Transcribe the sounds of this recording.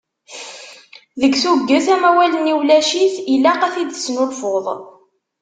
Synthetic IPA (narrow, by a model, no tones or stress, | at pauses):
ðəɡθuɡːəθæmæwæləniwlæʃiθilæqæθid̪snʊlfʊðˤ